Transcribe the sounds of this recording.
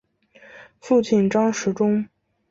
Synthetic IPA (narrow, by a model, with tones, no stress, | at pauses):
fu˥˧t͡ɕʰi˥˩nʈ͡ʂɑ˥ŋʂɻ̩˧˥ʈ͡ʂʊ˥ŋ